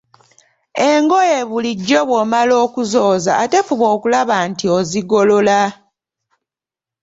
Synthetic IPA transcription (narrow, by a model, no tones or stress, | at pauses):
e̞ŋɡojeβuliɟːo̞βwomalo̞ːkuzo̞ːzaːtefuβo̞ːkulaβantioziɡo̞lo̞la